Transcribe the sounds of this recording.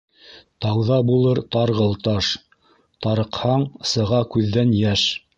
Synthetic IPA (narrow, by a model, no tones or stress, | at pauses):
t̪ɑwðɑbulˠɤɾt̪ɑɾʁɤ̆lˠt̪ɑʃ | t̪ɑɾɤ̆qhɑɴsɤ̆ʁɑkʉðːænjæʃ